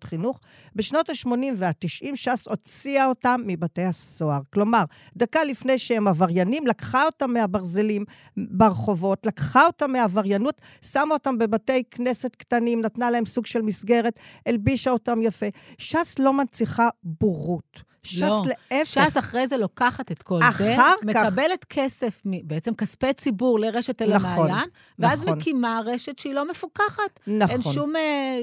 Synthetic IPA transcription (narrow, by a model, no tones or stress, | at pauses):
χinuχ | be̞ʃno̞taʃmo̞nimveatiʃʔimʃaso̞t͡siaotamːibatejhaso̞aʁklo̞maʁ | d̪akalifnejʃeemavaʁjanimlakχaotamːeabaʁze̞lim | beʁeχo̞vo̞tlakχao̞tamːeavaʁjanut | samaotambebate̞jkne̞setktanimnatnalahemsuɡʃe̞lmisɡe̞ʁe̞telbiʃaotamjafe̞ʃaslo̞mant͡siχabuʁut | ʃasleʔefʃasaχʁejzelokaχatetko̞laχeaʁmekaabelet̪kʰesefmibeet͡semkaspet͡sibuʁleʁeʃetelnaamaonjan | veazmenkimaʁeʃetʃeilo̞mefukaχatnaenʃʃume